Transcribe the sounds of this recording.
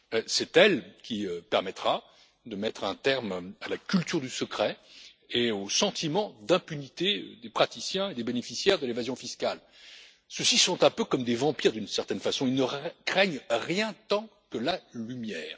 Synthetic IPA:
sɛt̪ɛlkʲiøpɛʁmɛt̪χa | d̪əmɛt̪χɛ̃t̪ɛʁmalakʲylt̪yʁd̪ysəkχɛ | eosɑ̃t̪imɑ̃d̪ɛ̃pynit̪ḛd̪epχat̪isjɛ̃ed̪ebenefisjɛʁd̪əlevazjɔ̃fiskal | səsisɔ̃t̪ɛ̃pøkɔmd̪evɑ̃piʁd̪ynsɛʁt̪ɛnfasɔ̃ilnəkχɛɲʁjɛ̃t̪ɑ̃kəlalymjɛːʁ

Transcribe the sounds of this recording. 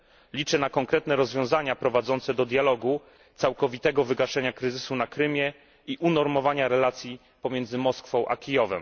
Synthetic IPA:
lʲit͡ʂɘnakɔŋkɾɛt̪nɛɾɔzvʲjɔ̃w̃zaɲapɾɔvad̪zɔnt̪sɛd̪ɔd̪jalɔɡu | t̪sawkɔvʲit̪ɛɡɔvɘɡaʂɛɲakɾɘzɘsunakɾɘmʲjɛ | iʔunɔɾmɔvaɲaɾɛlat̪sʲji | pɔmʲjɛnd̪zɘmɔskfɔ̃w̃ʔa̰kʲijɔvɛ̰m

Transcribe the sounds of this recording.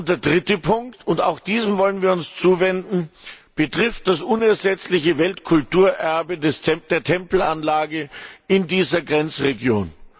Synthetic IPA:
ʊn̚d̥eːɐdʁɪtəpʰʊŋktʊnta̰ʊxd̥iːzəmvɔlənviːɐʊnst͡suːvɛndn̩b̥ətʁ̥ɪft̚d̥asʔʊnɛɐzɛt͡slɪçəvɛltkʰʊltuːɐʔɛɐbədɛsʰɛd̥eːɐtʰɛmpl̩anlaːɡəɪndiːzɐɡʁɛnt͡sʁeɡjo̰ːn

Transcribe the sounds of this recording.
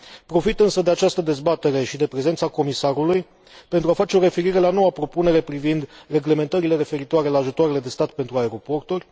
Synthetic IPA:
pɾo̞fit̪ɨnsəd̪e̞at͡ʃast̪əd̪e̞zbat̪e̞ɾe̞ʃid̪e̞pɾe̞zent̪sako̞misaɾuluj | pe̞nt̪ɾuafat͡ʃe̞o̞ɾe̞fe̞ɾiɾe̞lano̞wapɾo̞pune̞ɾe̞pɾivind̪re̞ɡle̞me̞nt̪əɾile̞ɾe̞fe̞ɾit̪oaɾe̞laːʒut̪oaɾe̞le̞d̪e̞st̪at̪pe̞nt̪ɾuae̞ɾo̞po̞rt̪urʲ

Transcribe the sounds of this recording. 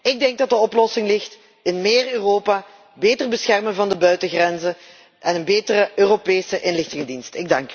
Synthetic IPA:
ɪɡ̚dɛŋɡ̚dɑt̚dəɔplɔsɪŋlɪxt | ɪnmeːrøːroːpaː | beːtərbəsxɛrmənvɑndəbœɥtəɣrɛnzə | ʔɛnənbeːtərəøːropeːsəʔɪnlɪxtɪŋədinstɪɡ̚dɑŋk

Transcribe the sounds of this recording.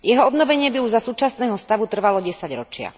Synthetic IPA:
jɛɦɔɔbnɔʋɛɲɪɛbiuʒzasuːt͡ʃasnɛːɦɔst̪aʋut̪r̩ʋalɔɟɛsaɟɾɔt͡ʃɪa̰

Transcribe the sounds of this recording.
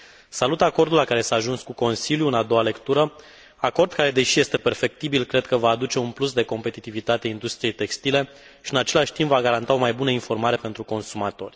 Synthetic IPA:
salut̪ako̞rd̪ulakaɾe̞saːʒunskuko̞nsiljuɨnad̪o̞wale̞kt̪uɾə | ako̞rd̪̚kaɾe̞d̪e̞ʃije̞st̪e̞pe̞rfe̞k̚t̪ibilkɾe̞d̪̚kəvaːd̪ut͡ʃe̞unplusd̪e̞ko̞mpe̞t̪it̪ivit̪at̪eaind̪ust̪ɾije̞jt̪e̞kst̪ile̞ | ʃiɨnat͡ʃe̞laʃʲt̪impvaɡaɾant̪ao̞majbunəinfo̞rmaɾe̞pe̞nt̪ɾuko̞nsumat̪o̞̰rʲ

